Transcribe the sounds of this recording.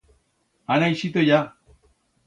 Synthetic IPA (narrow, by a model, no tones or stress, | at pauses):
anaiʃit̪oja